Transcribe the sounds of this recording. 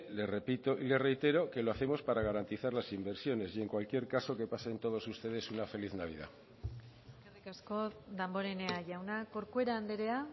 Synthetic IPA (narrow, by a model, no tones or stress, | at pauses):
le̞sre̞pit̪o̞ʔile̞sre̞jt̪e̞ɾo̞ke̞loaθe̞mo̞spaɾaɣaɾant̪iθaɾlasimbe̞ɾsjo̞ne̞sje̞ŋkwalkje̞ɾkaso̞ke̞paseent̪o̞ðo̞sust̪e̞ðe̞sunafe̞liθnaβ̞ḭð̞a̰ | karikasko̞d̪ambo̞ɾeneaʝawnako̞ɾkue̞ɾaːnd̪e̞ɾea